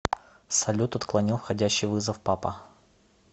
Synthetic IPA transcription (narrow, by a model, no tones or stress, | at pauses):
sɐlʲut̪ɐt̪klˠɐnʲilˠfxɐdʲæɕːɪjvɨzəfpapə̰